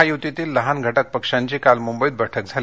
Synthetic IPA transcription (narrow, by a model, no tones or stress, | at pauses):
ajut̪it̪iːlːəɦanɡʱəʈək̚pəkʂaɲt͡ɕikalmumbəiːd̪̚bəʈʰək̚d͡zʱal